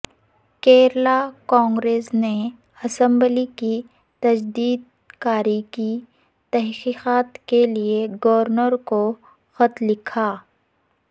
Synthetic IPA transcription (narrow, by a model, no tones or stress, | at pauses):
keːɾlakɔ̃ːŋɡɾeːsne | ɐsə̃mbliki | t̪ɐd͡ʒd̪iːd̪̚ | kaːɾiki | t̪ɛɦqiːqaːt̪kelieɡəʋəɾnəɾko | xɐt̪lɪkʰaː